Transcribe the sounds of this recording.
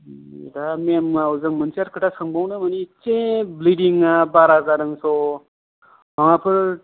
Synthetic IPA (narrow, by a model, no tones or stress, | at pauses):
damemauzɯŋmɯnsiaɾkʰɯʈasaŋbawnɯmanit͡ʃẽblidiŋːabaɾakaɾɯŋsɔ | baŋapʰɯɾ